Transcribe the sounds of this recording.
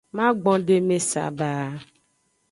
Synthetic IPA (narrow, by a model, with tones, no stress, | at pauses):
mã˦ɡ͡bɔ̃˦ɖe˦mẽ˦sa̰˨baː˨